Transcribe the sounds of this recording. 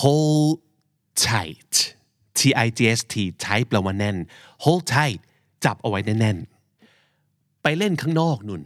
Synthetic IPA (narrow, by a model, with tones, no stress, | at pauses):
hoː˦˥l | t͡ɕʰa˧˩jt | t̪ʰiː˧ʔa˧jt͡ɕiː˧ʔe˦˥st̪ʰiː˧˩t͡ɕʰa˦˥jpla˧waː˧˥nɛ˥˩nhoː˦˥lt͡ɕʰa˧˥˩jt̪̚ | t͡ɕa˨˩p̚ʔa˧wa˦˥jna˦˥˩jnɛ˥˩n | pa˧jle˥˩nkʰaː˥˩ŋnɔː˥˩k̚nu˨˩n